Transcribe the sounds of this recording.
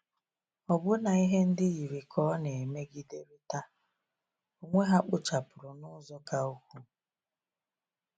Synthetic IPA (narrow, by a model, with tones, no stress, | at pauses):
ɔ˨bʊ˦na˨i˦ɦe˦n̩˦dɪ˦ɣi˨ɾi˨kʰɔ˦ne˨me˦ɡi˦de˦ɾi˦ta˦ | o˨ŋʷe˦ɦa˦k͡pʊ˦t͡ʃa˨pʊ˨ɾʊ˨nʊ˦zɔ˦ka˦o˦kʷu˦